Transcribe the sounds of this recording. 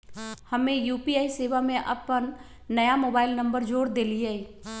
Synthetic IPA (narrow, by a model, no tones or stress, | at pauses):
hɐmẽjuːpiaːiseːʋamẽʔɐ̰pənː | əjamoːbaːɪlnə̃mbəɾd͡ʒoːɾd̪eːliei